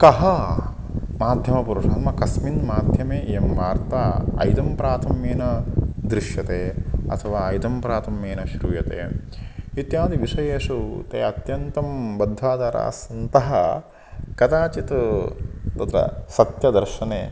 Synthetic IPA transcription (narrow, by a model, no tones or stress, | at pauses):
kɐɦɐ | maːd̪ʱjɐmɐpuɾuʂaːnmɐkɐsminmaːd̪ʱjɐmeːemʋaːɾt̪aːɐ̰jd̪ɐmpɾaːt̪ʰɐmjeːnɐd̪ɾiʃjɐt̪eːɐ̰t̪ʰɐʋaːɐjd̪ɐmpɾaːt̪ʰɐmjeːnɐʃɾuːjɐt̪ḛː | it̪jaːd̪iʋiʂɐjeːʂut̪ḛːɐt̪jɐnt̪ɐmbɐd̪ʱːaːd̪ɐːɾa̰ːsɐnt̪ɐɦɐ | kɐt̪aːt͡ʃit̪ | t̪ɐt̪ɾɐ̰sɐt̪jɐd̪ɐɾʃɐneː